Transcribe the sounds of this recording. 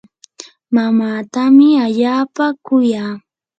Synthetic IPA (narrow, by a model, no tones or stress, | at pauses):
mamaːt̪amɪaʎaːpakʊjaː